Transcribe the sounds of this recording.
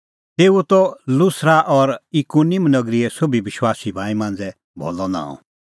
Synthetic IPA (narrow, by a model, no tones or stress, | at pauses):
t̪eːut̪ɔlʊsɾaʔɔɾikunimnɐɡɾiɛsobʱiʋɪʃwaːsibʱãːĩmãːnd͡zɛ | bʱo̰ːlɔnã̰ɔ̰̃